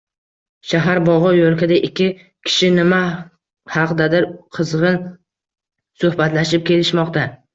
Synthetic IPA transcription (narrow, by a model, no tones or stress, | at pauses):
ʃaɦaɾbɒʁɒjolˠkʲad̪aʔɪkʲʰːɪ | kʲʰɪ̥ʃɪnɪma | hɑqd̪ad̪ɪɾqʰɨzʁɨn | sɵhbat̪laʃɪp̚kʲʰe̞lɪʃmɒqt̪ʰa